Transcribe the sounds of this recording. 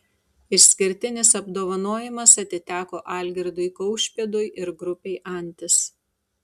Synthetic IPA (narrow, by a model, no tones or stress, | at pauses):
ɪʃsʲkʲɪɾʲt̪ʲɪnʲɪsɐbd̪oːʋɐnoːjɪmɐsɐt̪ʲɪt̪ʲæːkoːʔɑːˑlʲɡʲɪɾd̪ʊɪkɐʊʃʲpʲeːd̪ʊjʔɪɾɡɾʊpʲɛɪʔɐˑnʲt̪ʲɪs